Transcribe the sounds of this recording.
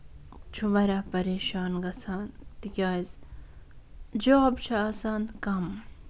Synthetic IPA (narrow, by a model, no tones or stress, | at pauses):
t͡ʃʰubɐɾaːpɐɾeːʃaːnɡɐsʰaːnt̪ikʲaːiz | d͡ʒoːbt͡ʃʰɐɐsaːnkɐm